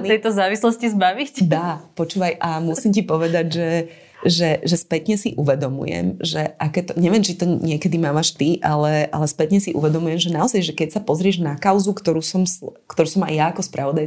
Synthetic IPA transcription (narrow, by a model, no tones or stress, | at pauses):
niɛjt̪ɔzaːʋislɔscizbaʋicd̪apɔt͡ʃuːʋajʔamusimcipɔʋɛd̪aɟʒɛ | ʒɛʒɛspɛt̪ɲɛsiʔuʋɛd̪ɔmṵjɛ̰mʒɛʔakɛːt̪ɔɲɛʋjɛmt͡ʃit̪ɔɲɪɛkɛd̪imaːʋaʃt̪iʔalɛʔa̰lɛspɛt̪ɲɛsiʔṵʋɛd̪ɔmujɛmʒɛnaɔzajʒɛkɛcsapɔzɾɪɛʒnakaʊzukt̪ɔɾuːsɔmskt̪ɔɾuːsɔma̰jjaːkɔspɾʔaʋɔd̪aj